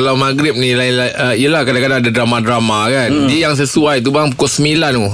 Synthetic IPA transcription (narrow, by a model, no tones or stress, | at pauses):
alawmãɡɾɪp̚nilalaəialahkadãkadaŋadadɾamadɾamakandijaŋs̬əsuajt̪ubaaŋpukʊsəmilanu